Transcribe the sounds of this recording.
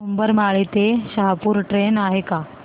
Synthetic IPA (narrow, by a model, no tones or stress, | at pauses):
umbəɾmaɭit̪eɕəɦapuːɾʈɾenaɦeka